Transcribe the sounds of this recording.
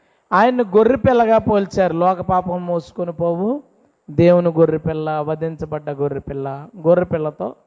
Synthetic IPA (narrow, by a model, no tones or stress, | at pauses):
aːjɐnːiɡorːipɪlːɐɡaːpoːlt͡ʃaːɾulɔːkɐpaːpɐmːoːsu̥konipoːwu | d̪e̞ːwunuɡorːipɪlːɐʋɐd̪int͡ʃɐbɐɖːɐɡorːipɪlːɐɡoɾːipɪlːɐt̪oː